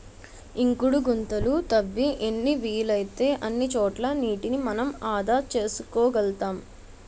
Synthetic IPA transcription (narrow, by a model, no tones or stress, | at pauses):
iŋkuɽuɡunt̪ɐlut̪ɐʋːiʔenːiʋiːlɐjt̪e̞ːʔɐnːit͡ʃɔːʈlɐniːʈinimɐnɐmaːd̪aːt͡ʃe̞ːsukɔːʋɛlt̪aːm